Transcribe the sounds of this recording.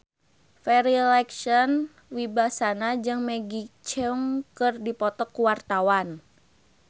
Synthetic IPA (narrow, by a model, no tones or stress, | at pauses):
fɛɾilɛkʃɔn | wibasanad͡ʒɨŋmɛɡit͡ʃɛuŋkɨrdipɔt̪ɔkuwart̪awan